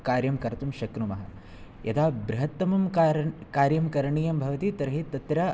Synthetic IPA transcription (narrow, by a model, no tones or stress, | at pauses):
kaːɾjɐmkɐɾt̪umʃɐkɾumɐɦɐ̰ | jɐd̪ʰaːbɾiɦɐt̪ːɐmɐmkːɾkaːɾjɐmkɐɾɐɳiːjɐmbʱɐʋɐt̪it̪ɐɾɐɦit̪ːɐt̪ɾaː